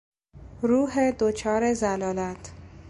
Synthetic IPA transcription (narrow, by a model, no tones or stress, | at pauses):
ɾuːɦed̪ot͡ʃʰɒːɾezælɒːlæt̪ʰ